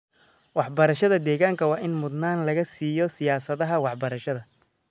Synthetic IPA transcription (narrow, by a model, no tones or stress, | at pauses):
wɑħbɐɾɐʃɐðɐd̪ɛːɣaːŋkʰɐwɑːʔɪnmʊd̪naːnlɐɣɐsiːjɔsɪjaːsɐðɐɦɐwɑħbɐɾɐʃɐðɐ